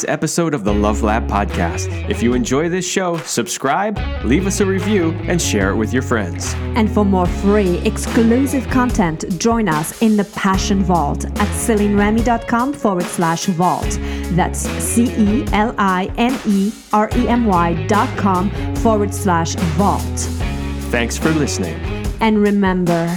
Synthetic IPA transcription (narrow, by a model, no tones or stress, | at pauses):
sɛ̰pɨsoʊɾʌvðəlʌvlæ̰b̚pʰɑ̰d̚kʰæ̰st | ɨfjɨɨ̃nd͡ʒɔɪðɪsʃoʊsɨb̥skɹaɪb̚ | livʌsɨɹivjʉʔɨ̃nʃɛ̰ɹɨ̰ʔ̚wɨðjə˞fɹɛ̰̃ndz̥ɨ̃nfə˞mɔɹfɹiʔɨksklʉsɨv̥kʰɑ̃ntʰɛ̃ntʒ̥ɔ̃ɪ̃nʌsɪ̃nðəpʰæʃɨ̃nvɔ̰lˠtʔɨtsɪlˠĩnɹɛmidɑt̚kʰɑ̃mfɔɹwəd̥slæʃvɔ̰lˠtðæ̰tsːiʔiʔɛlˠaɪʔɛ̃ni | ɑɹʔiɛ̃mwaɪdɑt̚kʰɑ̃mfɔɹwə˞d̥slæʃvɔ̰lˠt | θæ̃ŋksfə˞lɪsnɪ̰̃ŋ | ʔɨ̃nɹɪmɛ̃mbə˞